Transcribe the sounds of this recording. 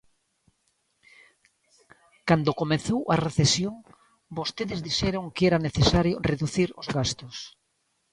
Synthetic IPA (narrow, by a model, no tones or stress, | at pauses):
kand̪okomeθowʔɐreθesjoŋ | bost̪eðɪzðiʃɛɾoŋkɛɾaneθesaɾjʊreðuθiɾozɣast̪ʊs